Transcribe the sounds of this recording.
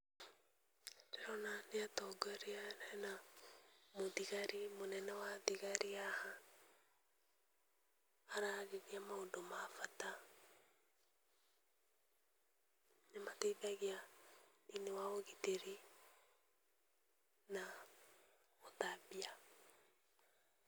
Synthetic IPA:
ɾɛɾɔnaneatɔɡɛɾeaɾɛna | moðiɣaɾemonɛnɛwaðiɣaɾiaha | aɾaɣeɣiamaondomafata | namateðaɣea | inewaoɣiteɾe | na | otabia

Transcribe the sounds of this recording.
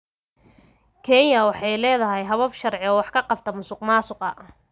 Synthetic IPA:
kʰɛnjɐwɑħɑjlɛːðɐɦɛjɦɐβɐbʃɐrʕɪɔːwɑħkʰɐqɑft̪ʰɐmʊsʊqmaːsʊqɐ

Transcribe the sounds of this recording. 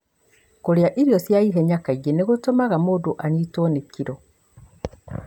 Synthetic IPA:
koɾeaʔiɾjɔsjaiɦɛɲakaiɡeneɣotomaɣamodoʔaɲitonekʰiɾɔ

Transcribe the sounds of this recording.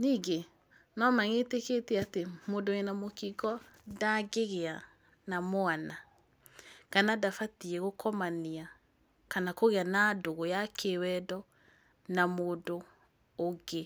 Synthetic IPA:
niːɡe | nɔmaŋeteketiatemodoenamokikɔ | daɡeɣea | namoana | kanadafatiɛɣokɔmania | kanakoɣeanadoɣɔjakʰewɛdɔ | namoːdoː | ɡe

